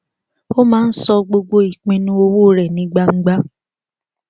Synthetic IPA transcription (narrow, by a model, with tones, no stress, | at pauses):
o˦mãː˦n̩˦sɔ˧ɡ͡bo˧ɡ͡bo˧i˨k͡pĩ˧nũ˦o˧wo˦˨ɾɛ˨nĩ˨˦ɡ͡ba˧ŋ̩˦ɡ͡ba˦